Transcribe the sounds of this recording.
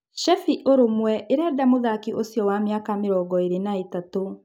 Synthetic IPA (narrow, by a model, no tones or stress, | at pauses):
ʃɛfiʔoɾomwɛʔeɾɛːdamoðakiʔosjɔwamjakameɾɔːɡɔeɾenaetato